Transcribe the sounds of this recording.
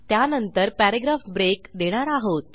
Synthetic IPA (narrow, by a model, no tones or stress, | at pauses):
t̪janənt̪əɾpæɾaɡɾafbɾekd̪eɽ̃aɾaɦot̪̚